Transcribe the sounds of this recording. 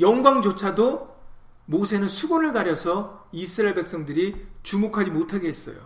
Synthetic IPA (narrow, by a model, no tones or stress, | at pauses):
jʌŋɡwaŋd͡ʑot͡ɕʰado | mosʰe̞nɯnsʰuɡonɯɭɡaɾjʌsʰʌisʰɯɾaeɭbe̞k̚s͈ʌŋdɯɾit͡ɕumokʰad͡ʑimotʰaɡeɦes͈ʌjo̰